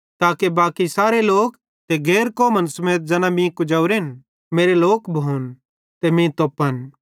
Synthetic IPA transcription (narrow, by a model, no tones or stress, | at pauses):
t̪aːkebaːkisaːɾeloːk | t̪eɡeːɾkoːmənsɐmeːt̪̚d͡ʒɐːnãmĩkʊd͡ʒaːuɾen | meːɾeloːkbʱoːn | t̪emĩt̪oːpːən